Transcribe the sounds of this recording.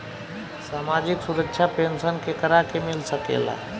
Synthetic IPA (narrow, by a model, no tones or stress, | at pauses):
saːmad͡ʒɪksuɾəkːʃʰapeːnsənkekəɾakemɪlsəkḛːla̰